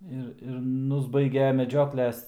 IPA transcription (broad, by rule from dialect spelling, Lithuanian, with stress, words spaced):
ˈɪr ɪr ˈnʊzbɐɪɡʲɛ mʲɛˈd͡ʒʲoːklʲɛs